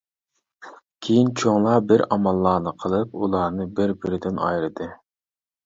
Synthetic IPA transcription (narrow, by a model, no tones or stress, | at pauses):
kʲʰejint͡ʃʰoŋlˠɑbɪɾɑmɑlˠːɑːnɨqʰəlˠɨp̚ulˠɑɾnɨbɪɾbɪɾɪd̪ɪnɑ̰jɾɨd̪ɨ